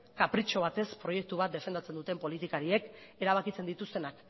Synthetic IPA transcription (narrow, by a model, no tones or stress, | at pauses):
kapɾit͡ʃo̞β̞at̪e̞spɾo̞je̞k̚t̪uβ̞at̪̚d̪e̞fend̪at͡se̞nd̪ut̪e̞mpo̞lit̪ikaɾie̞ke̞ɾaβakit͡se̞nd̪it̪ust̪e̞nak